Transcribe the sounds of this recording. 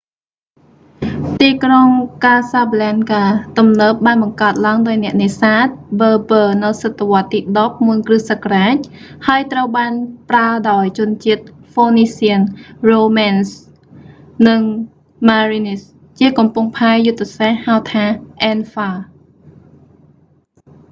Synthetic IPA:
t̪iːkroŋkaːsaplɛnkaːt̪umnəːp̚ɓaːnɓɑŋkaət̪̚laəŋɗaɔjnɛ̆əʔneːsaːt̪̚bəːbəːnɨwsɨt̪ːeʋŏət̪ːiːɗop̚muənkrɨsəkraːc̚haəjt̪rəwɓaːnpraəɗaɔjt͡ɕʊ̆ənt͡ɕiət̪̚foːniːsiənroːmaːns | nɨŋ | maːrinis | t͡ɕiəkɑmpuŋpʰaɛjut̪ːesahhaəwt̪ʰaːʔɛːnfaː

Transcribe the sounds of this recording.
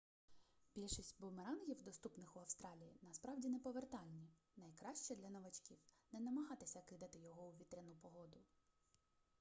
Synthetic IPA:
bʲilʲʃisʲtʲbʊmeɾɑnɣʲiwd̪ɔst̪upnɪxʊɐwst̪ɾɑlʲijinɐspɾɑwdʲinɛpɔʋert̪ɑlʲnʲi | nɐjkɾɑʃt͡ʃɛd̪lʲɐnɐʋɐt͡ʃkʲiwnɛnɐmɐɦɑt̪ɪsʲɐkɪd̪ɐt̪ɪjɔɦɔuʋʲit̪ɾʲɛnupɔɦɔd̪ʊ

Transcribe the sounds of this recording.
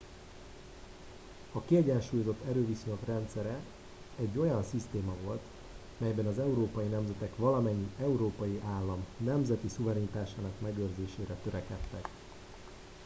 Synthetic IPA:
ɒkiɛɟɛnʃuːjozo̞t̪ːɛɾøːviso̞ɲo̞krɛnt̪sɛɾɛ | ɛɟːo̞jɒnsist̪eːmɒvo̞lt̪ | mɛjbɛnɒzɛuɾoːpɒjinɛmzɛt̪ɛkʋɒlɒmɛɲːiɛuɾoːpɒjiʔaːlːɒmnɛmzɛt̪isuvɛɾinit̪aːʃaːnɒkmɛɡøːrzeːʃeːɾɛt̪øɾɛkɛt̪ːɛk

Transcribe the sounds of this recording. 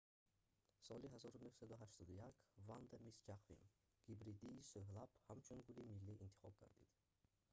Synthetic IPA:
sɔliɦazɔɾunøhsad̪uɦaʃt̪ɔd̪ujakvand̪amisd͡ʒaqvḭm | ɡ̥ibɾid̪iisøɦlabhamt͡ʃʰunɡulimilːiint̪ʰi̥χɔb̚ɡa̰ɾd̪ḭd̪̥

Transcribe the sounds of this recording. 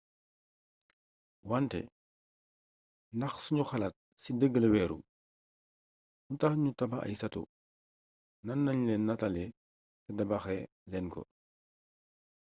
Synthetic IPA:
wantɛ̰ | ndɐxsuɲuxɐlɐt̚sidəɡːəlwɛːɾṵ | untaxɲutɐbaʔɐ̰jsɐtṵ | nɐnːɐɲlɛnːɐtɐlɛ | tɛdɐbɐxɛ | lɛnkɔ̰

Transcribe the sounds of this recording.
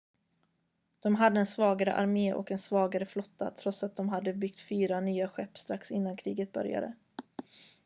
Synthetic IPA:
d̪̥ɔmɦad̪ːəɛnsvɑːɡaɾə̰ʔa̰ɾmeːʔɔ̰kɛnsvɑːɡaɾəflɔt̪ːa̰t̪ʰɾɔt̪sat̪̚d̪ɔmɦad̪ːəbʏɡt̪fyːɾanyːaɧɛpːst̪ɾaksɪnːankʰɾiːɡət̪̚bœ̰ɾja̰d̪ə̰

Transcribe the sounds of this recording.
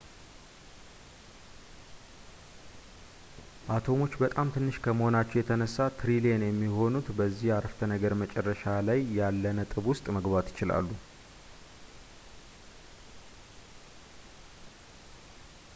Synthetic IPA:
ʔat̪ʰo̞mo̞t͡ʃːbət̪ʼamt̪ʰɨnːɨʃkʰəməho̞nat͡ʃːɛwjɛt̪ʰənəsːat̪ʰɾilenjɛmːiho̞nut̪bəzːihaɾəft̪ʰənəɡəɾmət͡ʃʼɛrːəʃalajːalːənət̪ʼɨβwʊst̪ʼməɡbat̪jɪ̥t͡ʃɪla̰lːu

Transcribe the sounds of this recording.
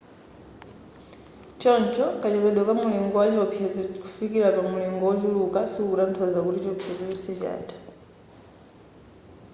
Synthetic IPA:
t͡ʃɔnt͡ʃʰɔkat͡ʃɛpɛɗwakamuliŋɡɔwat͡ʃɔpʰjɛd͡zikufikiɾapamuliŋɡɔwɔt͡ʃulukasikkuɾan̩tʰɔzakutit͡ʃɔpʰijɛd͡zikusɛt͡ʃa̰ːtʰḁ

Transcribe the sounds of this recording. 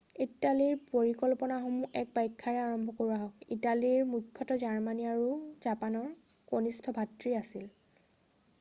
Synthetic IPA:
italiɹpoɹikɔlpɔnaxomuʔɛk̚pajkʰːaɹɛaɹɔmbʱɔkoɹaɦɔkitaliɹmukʰːjɔtɔzaɹmaniaɹuzapanɔɹkonistʰɔbʱatɹiasil

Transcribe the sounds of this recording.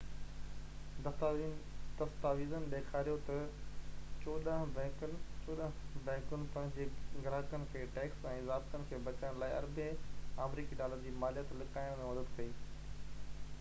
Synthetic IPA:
d̪̥ɐst̪aːʋiːzənɪ̆ɗeːkʰaːɾijot̪ɐ | t͡ɕoːɗəɦ | t͡ɕoːɗəɦbɛ̃ːkənɪ̆pɐ̃ɦɪ̃ɲd͡ʑeɡɾaɦəkənɪ̆kʰeːʈeːksɛ̃ːzaːbt̪ənɪ̆kʰeːbɐt͡ɕɽə̃laːɪɐ̰ɾbeaːmɾiːkiɗaːləɾd͡ʑiːmaːlijət̪lɪkaːɪ̃mẽmɐd̪əd̪kɐiː

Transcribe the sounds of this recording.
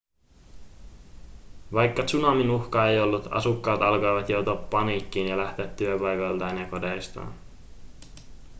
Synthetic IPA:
ʋɑjkːɑt͡ʃunɑminuxkɑejo̞lːut̪ɑ̰sukːɑːt̪ɑlko̞jʋɑt̪jowt̪uɑpːɑniːkːiːnjɑlæht̪e̞æt̪ːyøpɑjkojlt̪ɑenjɑko̞dejst̪ɑ̰ːn

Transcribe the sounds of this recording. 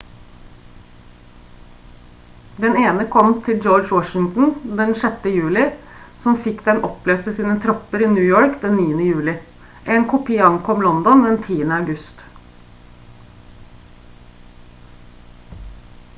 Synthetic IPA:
d̪ɛneːnəkʰɔmt̪ʰɪld͡ʒɔːd͡ʒwɔʃɪŋt̪n̩d̪ɛnʂɛt̪əjʉːlɪ | sɔmfɪkːd̪ɛnʔɔpleːst̪əsiːnət̪ʰɾɔpːəɾiːnjʉːjoːɹkd̪ɛnːiːənəjʉːlɪ | ʔeːnkʰʊpʰɪɑŋkʰɔmlɔnd̪ɔnd̪ɛnt̪ʰiːənəɑʉɡʉst̪

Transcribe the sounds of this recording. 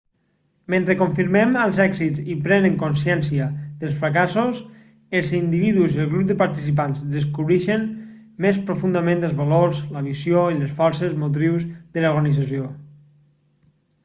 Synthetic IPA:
mẽnt̪ɾekoɱfiɾmɛməlˠzɛɡzizipɾɛnəŋkonsjɛnsiəðəlˠsfɾakasos | əlˠzind̪iβiðuziəlˠɣɾup̚d̪əpaɾt̪isip̬anzðəskuβɾiʃən | mespɾofund̪əmẽnd̪əlˠzβaloɾzləβisjoiləsfɔɾsəzmot̪̬ɾiwzðəloɾɣənizasjo

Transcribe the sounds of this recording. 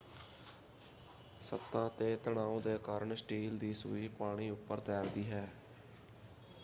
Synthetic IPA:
sə̰t̪ːãːt̪eːt̪əɳaːõːd̪eːkaːɾəɳsʈiːld̪iːsʊ̰iːpaːɽ̃iːʊpːəɾt̪ɛːɾd̪iːɦɛː

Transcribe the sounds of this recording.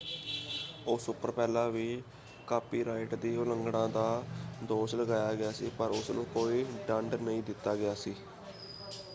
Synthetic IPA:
oːsʊpəɾpɛːlaːʋiː | kaːpiːɾaːɪʈd̪iːʊləŋɡɽãːd̪aːd̪oːʃləɡaːjaːɡɪaːsiːpəɾʊsnũːkoːiːɖəɳɖnəĩːd̪ɪt̪ːaːɡɪjaːsiː

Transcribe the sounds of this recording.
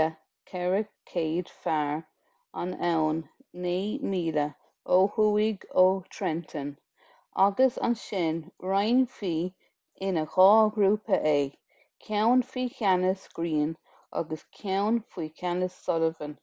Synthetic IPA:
ə | kʰɛɹəkʰeːd̪̥faɹ | a̰nɛwnːeːmiːlə | oːhuːɪɡoːt̪ʰɾɛnt̪ʰən | a̰ɡəsa̰nʃɪnɹajnfiː | ɪnəxɔːɡɾuːpəʔeː | kʰjawnfiːkanəsɡ̥ɾiːn | a̰ɡəskʰjawnfiːkʰanəsːɔləvən

